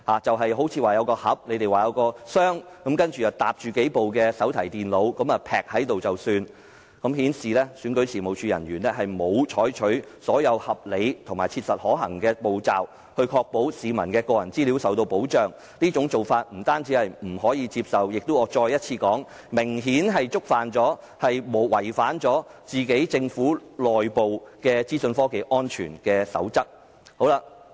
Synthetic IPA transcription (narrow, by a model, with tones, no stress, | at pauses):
haː˨t͡sɐ˨wɦɐ˨jɦo˨˥wt͡sʰiː˧waː˨jɐ˨˧wkɔː˧hɐ˨˥p̚ne˨˧jt̪e˨jwaː˨jɐ˨˧wkɔː˧sœː˥ŋkɐ˨˥mkɐ˥nt͡ʃyː˨˩t͡sɐ˨wt̪a̰ː˨p̚t͡ʃyː˨ke˨˥jpo˨wkɛː˧sɐ˨˥wt̪ʰɐ˨˩jt̪iː˨nlo˨˧wkɐ˨˥mɐː˨pʰɛː˨k̚hɐ˨˥jt̪o˨wt͡sɐ˨wsyː˧n | kɐ˨˥mɦiː˨˥nsiː˨lɛː˥syː˨˧nkɵ˨˥ɥt͡sʰiː˨˩mo˨˩wt͡ʃʰyː˧jɐ˨˩nɥyː˨˩nlɛː˥ɦɐ˨jmo˨˧wt͡ʃʰɔː˨˥jt͡ʃʰɵ˨˥ɥsɔː˨˥jɐ˨˧whɐ˨p̚le˨˧jt̪ʰʊ˨˩maː˨jt͡sʰiː˧t̚sɐ˨t̚hɔː˨˥ɦɐ̰˨˩ŋkɛː˧po˨wt͡sa̰ː˨˩w | hɵ˧ɥkʰɔː˧k̚po˨˥wsiː˨˧mɐ˨˩nkɛː˧kɔː˧jɐ˨˩nt͡siː˥liː˨˥wsɐ˨wt̪o˧wpo˨˥wt͡ʃœː˨ŋ | niː˥t͡ʃʊ˨˥ŋt͡so˨˩wfaː˧t̚m̩˨˩t̪aː˥nt͡siː˨˥hɐ˨jm̩˨˩hɔː˨˥jiː˨˧t͡siː˧p̚sɐ˨wjɪ˨k̚t̪o˥wɔː˨˧t͡ʃɔː˧jɐ˥t̚t͡sʰiː˧kɔː˨˥ŋ | mɪ˨˩ŋɦiː˨˥nɦɐ˨jt͡sʊ˥k̚faː˨nt͡sɔː˨˥ | hɐ˨jmo˨wɐ˨˩jfaː˨˥nt͡sɔː˨˥t͡siː˨ke˨˥jt͡sɪ˧ŋfuː˨˥lɔː˨jpo˨wkɛː˧t͡siː˥sɵ˧nfɔː˥ke˨jʔɔː˥nt͡ʃʰyː˨˩nkɛː˧sɐ̰˨˥wt͡sɐ˥k̚ | ho˨˥wla˧